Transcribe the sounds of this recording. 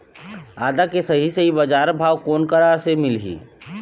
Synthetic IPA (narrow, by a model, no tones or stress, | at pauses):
aːd̪akesɐɦiseɦibɐd͡ʒaːɾbʱaːwkoːnkəɾasemɪlɦḭː